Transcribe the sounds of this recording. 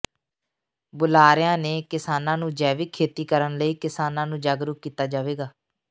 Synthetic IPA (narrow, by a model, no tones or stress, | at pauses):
bʊlaːɾɪjãːneːkɪsaːnãːnũːd͡ʒɛːʋiːkʰeːt̪iːkəɾənləiːkɪsaːnãːnũːd͡ʒaːɡɾʊk̚kːiːt̪aːd͡ʒaːʋeːɡaː